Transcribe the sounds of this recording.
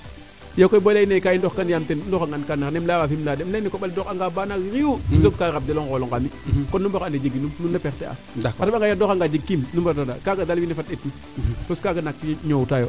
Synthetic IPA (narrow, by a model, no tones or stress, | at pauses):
jakojbolajnekajindoxkanjamtenndoxaŋɡankanːanemlawafimlademlajnikoɓaldoxaŋɡabanaɡɾiwudoɡ̚kaɾab̚deloŋkoloŋkamikɔnːumbakanded͡ʒeɡinumnundapɛtea̰ | aabaŋɡajadoxaŋɡad͡ʒiɡ̚kimnumbadodakaɡadalwinefat̚ːetni | toskaɡanak̚tɲowtajo